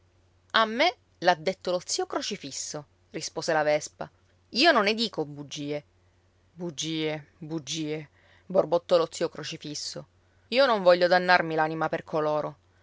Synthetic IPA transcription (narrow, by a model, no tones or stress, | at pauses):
amːe | lad̪ːet̪ːolot̪siokɾot͡ʃifisːo | rispoːzelavɛspa | iːononːed̪iːkobud͡ʒːiːe | bud͡ʒːiːebud͡ʒːiːe | borbot̪ːɔlot̪sːiːokɾot͡ʃifisːo | iːonoɱvɔʎːod̪anːarmilanimaperkʰoloːɾo